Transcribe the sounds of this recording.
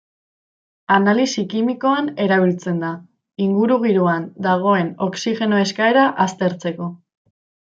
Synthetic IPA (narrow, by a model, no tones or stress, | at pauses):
analisikimiko̞ane̞ɾaβ̞ilt͡se̞nd̪a | iŋɡuɾuɣ̞iɾuand̪aɣ̞o̞e̞no̞ksiʝe̞noe̞skae̞ɾaʔast̪e̞ɾt͡se̞ko̞